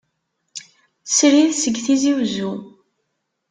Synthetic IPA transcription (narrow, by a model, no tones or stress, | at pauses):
sɾiðsəɡːθiziwzu